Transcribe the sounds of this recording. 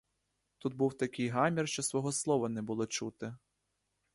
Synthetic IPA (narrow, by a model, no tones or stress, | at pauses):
t̪ut̪̚buwt̪ɐkɪjɦɑmʲirʃt͡ʃɔsʋɔɦɔslˠɔʋɐnɛbʊlˠɔt͡ʃut̪ɪ